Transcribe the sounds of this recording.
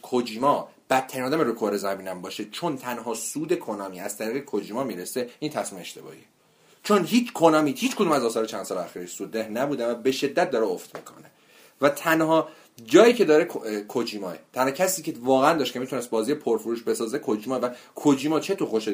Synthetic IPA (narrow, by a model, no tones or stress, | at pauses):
kʰod͡ʒiːmɒː | b̥æt̪ʰːæɾiːnɒːd̪æmeɾokʰoɾezæmiːnæmbɒːʃet͡ʃʰont̪ʰænɦɒːsuːd̪e̞kʰonɒːmiːæz̥t̪ʰæɾiːɣekʰod͡ʒiːmɒːmiːɾese̞int̪ʰæsmiːmḛʃt̪e̞bɒ̰ḭːe | t͡ʃʰo̞nɦiːt͡ʃkʰonɒːmiːhiːt͡ʃkʰo̞d̪umæzɒːsɒːɾet͡ʃʰænd̪sɒːleæxiːɾsuːd̪ːehnæbuːd̪evæbe̞ʃe̞d̪ːæt̪̚d̪ɒːɾeoft̪mḭːkʰo̞̰ne | væt̪ʰænɦɒː | d͡ʒɒːjiːcʰe̞d̪ɒːɾe̞kʰkʰod͡ʒiːmɒːet̪ʰænhɒːcʰæsiːcʰe̞vɒːɣeænd̪ɒːʃt̪cʰemit̪ʰunest̪̚bɒːziːjepʰoɾfoɾuːʃbe̞sɒːzekʰod͡ʒimɒːvækʰod͡ʒiːmɒːt͡ʃʰe̞t̪ʰoxoʃe